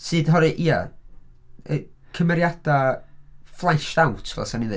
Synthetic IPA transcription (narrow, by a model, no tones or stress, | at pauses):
sɨːd̥ɦɔɾɨʔia̰ | əkʰəmɛɾjad̥a | flˠaʃdawtʰvɛ̰saniðɨ